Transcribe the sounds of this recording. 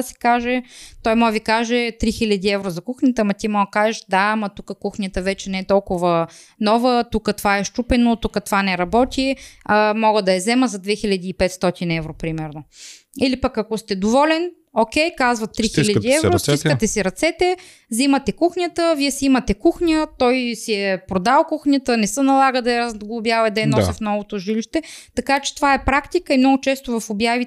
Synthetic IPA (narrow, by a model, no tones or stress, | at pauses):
si̥kaʒɛt̪ɔjmɔvikaʒɛt̪ɾixilʲɐd̪iɛvɾozɐkuxnʲət̪əmɐt̪imɔɡəkaʒɛʃd̪amɐt̪ukəkuxnʲət̪əvɛt͡ʃɛnɛɛt̪ɔlˠkʊvə | nɔvət̪ukət̪ovaɛʃt͡ʃupɛnot̪ukət̪ovanɛɾɐbɔt̪ʲiəmɔɡəd̪ɐɛzɛməzɐd̪vɛxilʲɐd̪iːpɛt̪st̪ɔt̪inɛvɾopɾimɛɾno | ilipəkɐkost̪ɛd̪ovɔlɛn | ok̟ɛjkazvɐt̪ːɾixilʲɐd̪iɛvɾosiskət̪ɛsiɾɐt̪sɛt̪ɛ | zimɐt̪ɛkuxnʲət̪əviɛsɛimɐt̪ɛkuxɲʲət̪ɔjsiɛpɾod̪alˠkuxnʲət̪ənɛsənɐlˠaɡəd̪ɐɛɾɐzɡlˠʊbjavɐjd̪ɐɛnɔsʲəfnɔvot̪oʒiliʃt̪ɛt̪ɐkat͡ʃɛ̥t̪ovaɛpɾakt̪ikəimnɔɡʊt͡ʃɛst̪ovɐfobjavi